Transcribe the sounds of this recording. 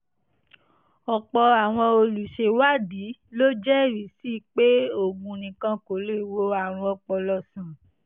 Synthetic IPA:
ɔ˨k͡pɔ˧a˨w̃ɔ̃˧o˧lu˨ʃe˧˦wa˦di˨˦lo˦d͡ʒɛ˦˨ɾi˨˦si˦˨k͡pe˦o˦˨ɡ͡bũ˧nĩ˨kã˧ko˨le˦˨wo˧a˨w̃ɔ̃˧ɔ˧˨k͡pɔ˧lɔ˧˨sã˨

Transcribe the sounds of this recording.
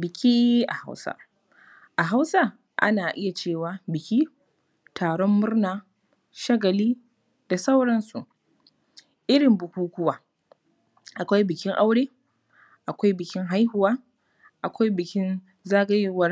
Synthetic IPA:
bɪ˨kʲiː˦ʔa̰˨ha̰˦wsa̰˦ | ʔa˨ɦa˦wsa˦ | ʔa̰˦naː˨ʔɪ˦ja˨t͡ʃeː˦˨waː˨bɪ˨kʲiː˦ | tʰaː˨ɽɔ˦mːʊ˦ɽrnaː˨ | ʃɐ˦ɡɐ˨liː˦ | d̥a˨sa˦wɽɐ˦nsu˨ʔ | ʔɪ˦ɽɪ˨mbʊ˨kʷuː˦kʷʊ˦waː˨ | ʔa˨kʷa˦jbɪ˨kʲɪ˦ŋʔa˦wɽeː˦ | ʔa˨kʷa˦jbɪ˨kʲɪ˦ŋɦa˦jhʊ˨waː˦ | ʔa˨kʷa˦jbɪ˨kʲɪ˦n | zaː˦ɡɐ˦jwɐ˦r

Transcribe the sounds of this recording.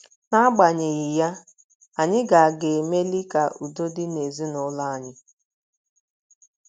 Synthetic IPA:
na˦ɡ͡ba˨ɲe˨ɣɪ˨ja˦ | a˨ɲɪ˦ɡa˨a˨ɡe˨me˦li˦ka˨ʔu˨do˦di˦ne˨zi˦nʊ˦la˦a˨ɲɪ˦

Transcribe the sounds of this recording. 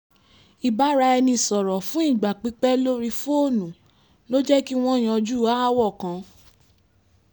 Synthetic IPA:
i˨ba˨˦ɾa˧ɛ˧nĩ˧sɔ˨ɾɔ˨fũ˦i˦˨ɡ͡ba˨k͡pi˨˦k͡pɛ˦lo˦ɾi˧fo˦˨nũ˨ | lo˦d͡ʒɛ˦ki˦w̃ɔ̃˦˨j̃ã˧d͡ʒu˦a˦wɔ˦˨kã˨˧

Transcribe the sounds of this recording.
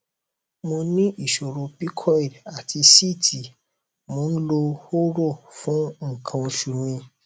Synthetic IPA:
mo˧nĩ˦ʔi˦˨ʃo˨ɾo˨pi˦kʰɔ˦i˨la˨tʰi˧si˦˨tʰi˨ | mo˨˦n̩˦lo˧ho˦ɾo˦˨fũ˨˦ŋ̩˨kʰã˧o˧ʃu˨mĩ˧

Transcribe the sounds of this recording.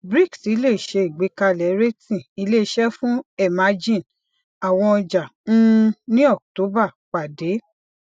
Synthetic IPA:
bɾi˦˨ksi˨˦le˦˨ʃe˧i˨ɡ͡be˨˦ka˧lɛ˨˦ɾe˦tĩ˨i˧˦le˦ʃɛ˦fũ˦ɛ˦˨ma˨˦d͡ʒĩ˦˨n | a˨w̃ɔ̃˧d͡ʒã˨˦˧nĩ˦ɔ˦˨k̚to˨˦ba˦˨k͡pa˨de˨˦

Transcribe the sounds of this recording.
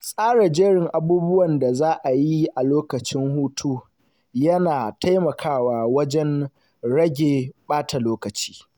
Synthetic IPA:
sʼaː˦ɽa˨d͡ʒeː˦ɽɪ˨ŋʔa˨buː˦bʊ˦wɐ˨nda˨zaː˦ʔa˨ji˦ʔa˨loː˦kɐ˨t͡ʃɪ˦ŋhuː˦tʰuː˦ | jɐ˦naː˨tʰa˦jmɐ˨kʰaː˦˨waː˨wɐ˦d͡ʒɛ˦n | ɽɐ˦ɡʲeː˨ɓaː˦tʰa˨loː˦kɐ˨t͡ʃi̥ː˦

